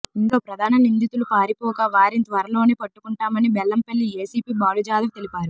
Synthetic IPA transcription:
inɡ̪oːpɾɐd̪ʱaːnɐnind̪it̪ulupaːɾipɔːkaʋaːɾint̪ʋɐɾɐlo̞ːneːpɐʈːukuɳʈaːmɐnibɛlːɐmpelːieːsiːpiːbaːlud͡ʒaːd̪ɐmt̪elipaːɾu

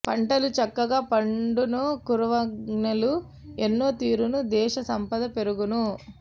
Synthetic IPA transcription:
pɐɳʈɐlut͡ʃɐkːɐɡaːpɐɳɖunukuɾuʋɐɡnɐlu | enːoːt̪iːɾunud̪ɛːʃɐsɐmpɐd̪ɐpeɾuɡunu

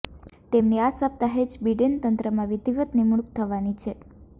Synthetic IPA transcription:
t̪emniasəp̚t̪aɦed͡ʒbiɖent̪ənt̪ɾəmãʋid̪ʱiʋət̪nimuɭuk̚t̪ʰəʋanit͡ʃʰe

